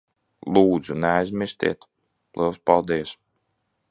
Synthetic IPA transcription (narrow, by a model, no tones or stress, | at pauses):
lˠuːd̪zunɛajzʲmʲiɾst̪ʲḭɛt̪ | lˠʔɨlˠspalˠd̪iɛs